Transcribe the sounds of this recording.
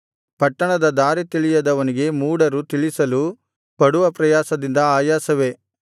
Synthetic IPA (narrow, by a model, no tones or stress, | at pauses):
pɐʈːɐɳɐd̪ɐd̪aːɾit̪iɭijɐd̪ɐʋɐniɡe̞muːɽɐɾut̪iɭisɐlu | pɐɽuʋɐpɾɐjaːsɐd̪ind̪ɐaːjaːsɐʋe̞